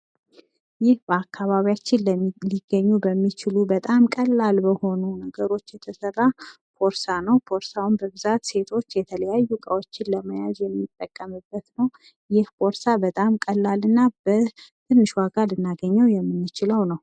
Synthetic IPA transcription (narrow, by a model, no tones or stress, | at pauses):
jɪhbəakːaβaβijat͡ʃːɪnləliɡːəɲːubəmːit͡ʃɪlubət̪ʼamkʼəlːalbəho̞nunəɡəɾo̞t͡ʃːjɛt̪ʰəsərːa | pʰo̞ɾsanəwpʰo̞ɾsawunbəβɨzat̪se̞t̪ʰo̞t͡ʃːjɛt̪ʰələjajːukʼəwot͡ʃːɪnləməja̰zjɛmːit̪ʼːəkʼːəmɨbːət̪nəw | jɪhpʰo̞ɾsabət̪ʼamkʼəlːalɨnːabət̪ʰɨnːɨʃwaɡalɨnːaɡəɲːəwjɛmːɨnːɨt͡ʃɪləwnəw